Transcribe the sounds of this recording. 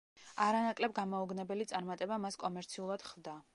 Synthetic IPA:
aɾanakʼlɛbɡamɔuɡnɛbɛlit̪sʼaɾmat̪ʼɛbamaskʼɔmɛɾt̪sʰiulˠad̪̥χlˠd̪a

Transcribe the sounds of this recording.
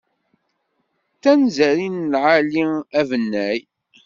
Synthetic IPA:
θænzæɾinlʕaliævənːæj

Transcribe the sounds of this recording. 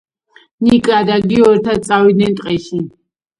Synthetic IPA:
nikʼad̪aɡiɔɾt̪ʰasʼawid̪nɛnt̪ʼqʼɛʃi

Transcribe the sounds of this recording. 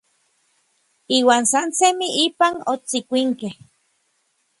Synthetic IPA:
iːwaːnsansemiʔiːpanot͡sikʷiŋkeh

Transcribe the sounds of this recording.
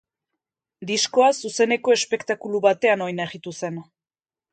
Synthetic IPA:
d̪isko̞asuse̞ne̞ko̞e̞spe̞kt̪akuluβat̪e̞ano̞jnaeɣit̪use̞n

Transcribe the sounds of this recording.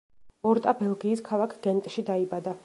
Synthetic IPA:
ɔɾt̪ʼabɛlˠɡiːskʰalˠakʰɡ̥ɛnt̪ʼʃid̪aibad̪a

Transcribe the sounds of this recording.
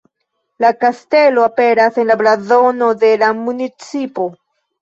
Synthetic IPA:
lakaste̞lo̞ape̞ɾase̞nlablazo̞no̞de̞lamunit͡sipo̞

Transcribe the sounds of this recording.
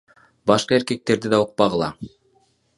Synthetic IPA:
bɑʃqɑe̞ɾke̞k̚t̪e̞ɾd̪id̪ɑuq̚pɑʁɯ̆lˠɑ̰

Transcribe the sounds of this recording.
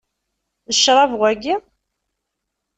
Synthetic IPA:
ðəʃɾˤɑvʁæɡi

